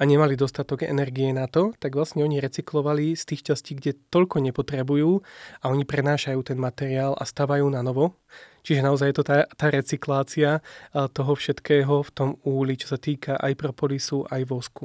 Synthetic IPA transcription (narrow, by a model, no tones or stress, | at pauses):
aɲɛmalid̪ɔst̪at̪ɔɡɛ̰nɛɾɡiɛnat̪ɔt̪aɡʋlasɲɛɔɲiɾɛt͡siklɔʋalist̪iːxʃt͡ʃasciːɡɟɛt̪ɔʎkɔɲɛpɔt̪ɾɛbujuːaɔɲipɾɛnaːʃajuːt̪ɛnmat̪ɛɾiaːlʔa̰st̪aʋajuːnanɔʋɔ | t͡ʃiʒɛnaɔzajjɛt̪ɔt̪at̪aːɾɛt͡siklaːt͡siat̪ɔɦɔfʃɛt̪kɛːɦɔft̪ɔmuːlit͡ʃɔ̥sat̪iːkʰaʔa̰jpɾɔpɔlisuʔajʋɔsku